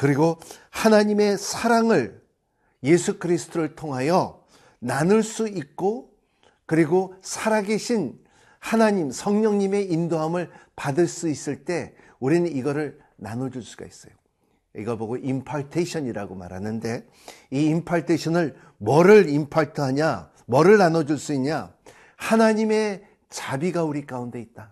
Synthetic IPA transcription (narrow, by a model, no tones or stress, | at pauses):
kɯɾiɡohanaɲime̞sʰaɾaŋɯɭ | je̞sʰukɯɾisʰɯ̥tʰoɾɯɭtʰoŋɦajʌ | nanɯɭs͈uik̚k͈o | kɯɾiɡosʰaɾaɡeɕʰin | hanaɲimsʰʌŋɲʌŋɲime̞indoɦamɯɭpadɯɭs͈uis͈ɯɭt͈e̞ | uɾinɯniɡʌɾɯɭ | nanʌd͡ʑuɭs͈u̥ɡ̥a̰is͈ʌ̰jo | iɡʌboɡoʔimpʰaɭtʰeɕʰʌɲiɾaɡoma̰ɾɦanɯnde̞ | iːmpʰaɭtʰeɕʰʌnɯɭ | mʌɾɯɾimpʰaɭtʰɯɦaɲa | mʌɾɯɭnanʌd͡ʑuɭs͈uiɲɲa | hanaɲime̞ | t͡ɕabiɡauɾik͈aunde̞it̚t͈a